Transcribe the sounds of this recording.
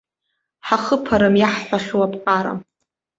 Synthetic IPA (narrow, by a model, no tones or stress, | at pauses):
ħaχəpʰaɾɨmjaħħʷaχʲuwapʰʼqʼaɾa̰